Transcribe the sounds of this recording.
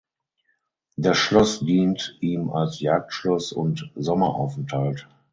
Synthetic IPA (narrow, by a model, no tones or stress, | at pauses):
deaːɐsʃlɔsdiːntʔiːma̰lsjaːk̚tʃlɔsʊ̰ntzɔmɐʔa̰ʊfɛntʰalt